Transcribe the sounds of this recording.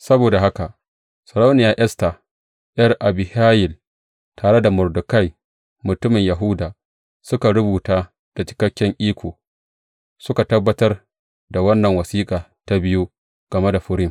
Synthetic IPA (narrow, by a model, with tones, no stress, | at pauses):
sɐ˦boː˨da˨ɦa˦ka˨ | sɐ˨ɽa˦wnɪ˦jaː˨ʔɛ˦sta˨ | jɐ˦rʔa˨bɪ˨haː˦jɪ˨l | tʰaː˨ɽe˦da˨mʊ˨rdʊ˨ka˦˨j | mʊ˨tʊ˦mɪ˨ɲjɐ˨ɦʊ˦daː˨ | sʊ˦ka˨ɽʊ˦buː˨taː˦ | d̥a˨t͡ʃɪ̥˨kɐ˦kʲːɪ˦ŋʔiː˦kʷʰoː˨ | sʊ˦ka˨tɐ˦bːɐ˦tɐ˦r | da˨wɐ˦nːɐ˨ŋwɐ˨siː˦kʼaː˨ta˦bɪ˦ju˦ | ɡ̥ɐ˨me˦da˨ɸʊ˦ɾɪ˦m